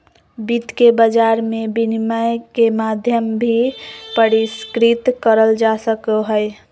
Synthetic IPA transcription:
bit̪kebəd͡ʒaɾmebiniməjkemad̪ʱjəmbʱipəɾiskɾit̪kəɾəld͡ʒasəkoɦəj

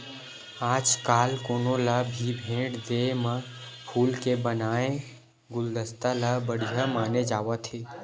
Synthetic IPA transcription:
aːd͡ʒkaːlkoːnõlabʱibʱẽːʈd̪emã | pʰuːlkebənaːẽ | ɡʊld̪əst̪alabəɽijamaːned͡ʒaːʋat̪ʰeː

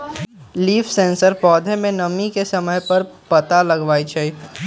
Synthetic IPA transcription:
liːfsẽːnsəɾpɔːd̪ʱemẽnɐmikesɐməjpɐɾpɐt̪alɐɡʋaːit͡ʃʰei

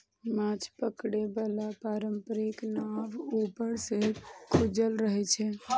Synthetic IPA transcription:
mãt͡ʃʰpəkɽebəlapaɾəmpəɾiknaʋupəɾsekʰud͡ʒəlɾəɦɛt͡ʃʰɛ

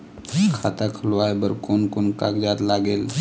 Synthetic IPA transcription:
kʰat̪akʰlʋajbəɾkonkonkaɡd͡ʑat̪laɡel

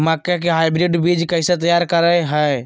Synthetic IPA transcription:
makjak̬eɦaɪbɾiɖbid͡ʒkəɪset̪̬əjaɾkəɾəjɦəj

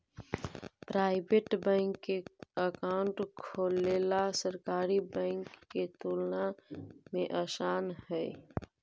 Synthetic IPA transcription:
pɾaːɪbeʈbɛ̃ːŋkːeəkaːʊɳʈkʰoːleːlasəɾkaːɾibɛ̃ːŋkːet̪uːlnamẽʔaːʃaːnɦɛː

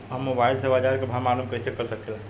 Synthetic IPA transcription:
ɦəmːobailsəbad͡ʒaɾkebʱamaɾumkəit͡ʃʰekəɾsəkela

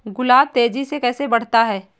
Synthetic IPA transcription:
ɡʊlaːb̚t̪eːd͡ʒisekɛːsebɐɽ̤t̪aɦɛː

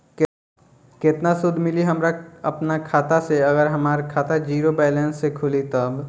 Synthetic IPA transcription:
kɪt̪nasʊd̪ʱmɪliɦɐmɾaɐpnakʰaːt̪aseɐɡəɾɦɐmaːɾkʰaːt̪ad͡ʒiːɾobɛːlɛ̃nsːekʰʊlit̪ɐb

